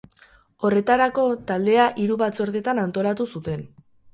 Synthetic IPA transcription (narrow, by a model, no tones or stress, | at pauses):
o̞re̞t̪aɾako̞t̪ald̪e̞aʔiɾuβat͡so̞ɾðe̞t̪anant̪o̞lat̪usut̪e̞n